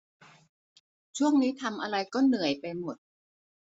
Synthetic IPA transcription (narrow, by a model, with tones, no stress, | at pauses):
t͡ɕʰu˥˩əŋniː˦˥t̪ʰa˧mʔa˧ɾa˧jkɔː˥˩nɯ˨˩˦əjpa˧jmo˨˩t̪̚